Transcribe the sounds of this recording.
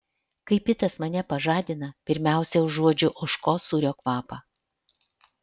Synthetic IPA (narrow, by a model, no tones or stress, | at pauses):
kɐɪpʲɪt̪ɐsmɐnʲɛpɐʒɑːd̪ʲɪnɐpʲɪɾʲmʲæˑʊsʲɛʊʒːuɔd͡ʒʲʊʔʊʃkoːsuːɾʲoːkʋɑːpɑː